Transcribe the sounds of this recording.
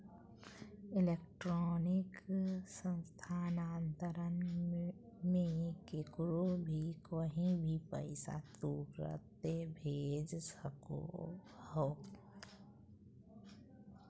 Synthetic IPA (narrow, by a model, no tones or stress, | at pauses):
ɪlekʈɾɔːnɪksə̃nst̪ʰaːnaːnt̪əɾən | mẽkekɾobʱikəɦĩbʱipə̰ɪsa̰t̪uːkɾə̰t̪ːebʱeːd͡ʒsəko̰ho